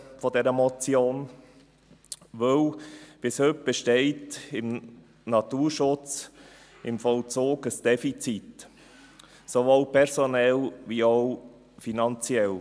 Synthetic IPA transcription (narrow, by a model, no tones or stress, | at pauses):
fɔdɛɾəmɔt͡sjoːn | ʋɵwb̥ɪshʏp̚b̥ɛʃtɛɪtɪm | nɑtuːɾʃʊt͡s | ɪmfɔlt͡soːɡəsd̥ɛfit͡sit̪ | soʋoːlpʰɛɾsonɛlʋioʊ | finɑnt͡siɛl